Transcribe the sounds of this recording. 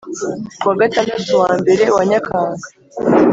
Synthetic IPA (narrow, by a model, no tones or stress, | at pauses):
waɡatameːsuwaːmbe̞ɾe̞waɲakʰaːŋɡa